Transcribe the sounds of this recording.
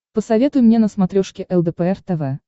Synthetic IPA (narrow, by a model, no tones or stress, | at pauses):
pəsɐvʲet̪ʊjmnʲenəsmɐt̪ɾʲoʂkʲɪʔɛlˠd̪əpəɛrt̪ɛvɛ